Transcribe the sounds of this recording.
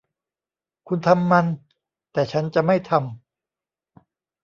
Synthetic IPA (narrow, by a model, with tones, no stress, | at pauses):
kʰu˧nt̪ʰa˧mːa˧n | t̪ɛː˨˩t͡ɕʰa˦˥nt͡ɕa˨˩ma˥˩jt̪ʰa˧m